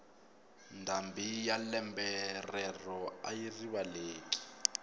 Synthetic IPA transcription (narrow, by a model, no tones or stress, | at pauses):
ndʱambʱijalɛmbɛrɛrɔajiriwaleːk̬ʼi̥